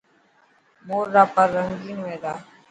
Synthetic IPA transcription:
moːɾːaːpəɾːəŋɡiːnʋẽːd̪aː

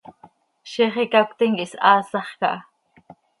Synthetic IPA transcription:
ʃeχikakt̪iŋkiʔsɑːsɑχkɑ̰ʔ

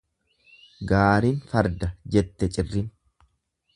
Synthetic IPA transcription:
ɡaːɾiːnfɐɾd̪ɐd͡ʒɛt̪ːɛt͡ʃʼɪrːɪn

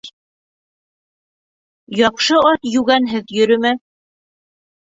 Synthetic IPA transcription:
jɑqʃɤɒt̪jʉɡænɦɘðjɵ̆ɾɵ̆mæ

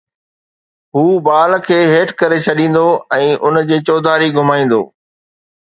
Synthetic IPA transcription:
ɦuːbaːlkʰeːɦeːʈkɐɾet͡ɕʰɐɗĩːn̆d̪oɛ̃ːʔʊnd͡ʑeːt͡ɕoːd̪ʱaːɾiɡʱʊmaːĩːn̆d̪o̰ː

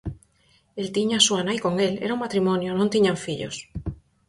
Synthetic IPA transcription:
elt̪iɲasuanajkoŋelḛɾauŋmat̪ɾimonjonõnt̪iɲaɱfiʎo̰s

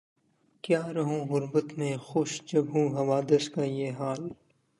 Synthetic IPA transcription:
kjaːɾɐɦũɣʊɾbət̪mẽxʊʃd͡ʒɐbʱɦũɦɐʋaːd̪əskajeːɦaːl

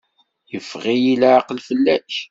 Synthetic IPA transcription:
jəfʁijilaʕqəlfəlːæç

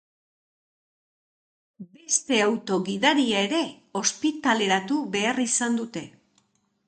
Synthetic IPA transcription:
be̞st̪e̞awt̪o̞ɣiðaɾiae̞ɾe̞ | o̞spit̪ale̞ɾat̪uβe̞arisand̪ut̪e̞

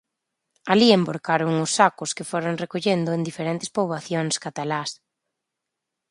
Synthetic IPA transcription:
aliemboɾkaɾʊŋʊsːakʊskɪfoɾoŋrekoʎend̪ʊẽnd̪ifeɾent̪e̥spoβaθjoŋskat̪alas

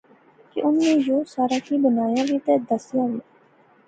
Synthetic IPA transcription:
kɪ̰ʔʊnːnẽːjoːsaːɾaːkiːbənaːjaːʋiːt̪eːd̪əsɪjãːʋiː

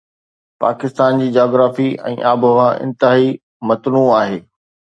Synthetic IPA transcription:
pa̰ːkɪst̪aːnd͡ʑiːd͡ʑaːɡɾaːfiɛ̰̃ːʔaːbʱəʋãʔɪ̰̃nt̪ɪɦaːi | mɐt̪nũaːɦeː

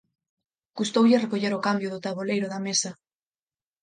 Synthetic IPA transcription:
ɡ̥ust̪owʎerekoʝeɾo̞kambjoðot̪aβolejɾoðamesa

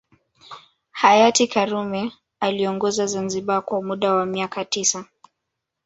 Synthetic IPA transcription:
hajatikaɾumɛ | aliɔŋɡɔzazanziɓakwamuɗawamiakatisa

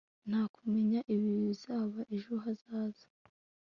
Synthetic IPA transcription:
n̥haːkume̞ɲaʔiβiβizaːβaʔeʒuɦazaːzḁ

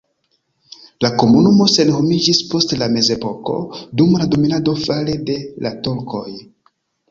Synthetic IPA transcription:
lako̞munumo̞se̞nho̞mid͡ʒispo̞stlame̞ze̞po̞ko̞̰dumlado̞minado̞falede̞latoɾko̞j

